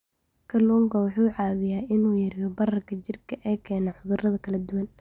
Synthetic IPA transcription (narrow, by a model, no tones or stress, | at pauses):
kʰɐluːŋkʰɐwɑħuːʕɑːβɪjaːʔɪnuːjɐɾɪjɔbɐrɐrkʰɐt͡ʃɪrkʰɐʔɛːkʰɛːnaʕʊðʊrɐðɐkʰɐlɐd̪ʊwɐn